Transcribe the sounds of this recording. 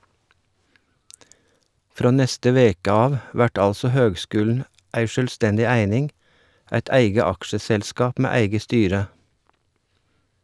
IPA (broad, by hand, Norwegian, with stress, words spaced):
ˈfɾoː ˈnɛstə ˈʋeːkə ˈɑːʋ ˈʋæʈ ˈɑlsɔ ˈhøːɡˌskʉːlɳ̩ ˈæɪ ˈʃøːlˌstɛndɪ ˈæɪnɪŋ ˈæɪt ˈæɪɡə ˈɑkʃəsɛlˌskɑːp ˈmeː ˈæɪɡə ˈstyːɾə